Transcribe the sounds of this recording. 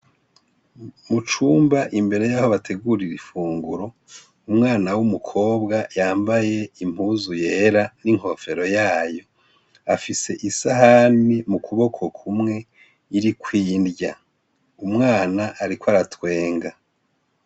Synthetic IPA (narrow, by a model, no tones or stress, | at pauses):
mut͡ʃuːmbaʔimbe̞ɾe̞jaho̞βatʰe̞ɡuɾiɾifuːŋɡuɾo̞ | umŋaːnawumukʰo̞ːbɡajaːmbaje̞im̥huːzuje̞ːɾaniŋho̞fe̞ɾo̞jaːjo̞ | afise̞ʔisaɦanimukʰuβo̞kʰo̞kʰumŋe̞ | iɾikwiːndɟa | umŋaːnaʔaɾikwaɾatwe̞ːŋɡa